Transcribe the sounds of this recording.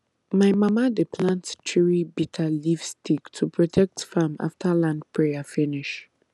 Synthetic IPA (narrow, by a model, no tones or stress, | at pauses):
majmamadepʰlãntt͡ʃiɹibitʰalivstʰiktʰupʰɹɔtʰɛk̚tfama̰ftʰalãndpʰɹɛjafiniʃ